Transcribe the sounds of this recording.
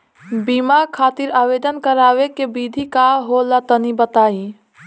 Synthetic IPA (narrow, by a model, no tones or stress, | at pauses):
biːmaɾkʰaːt̪iɾaːweːd̪ənkəɾaːwekebiːd̪ʱikaɦolat̪ənibət̪aːi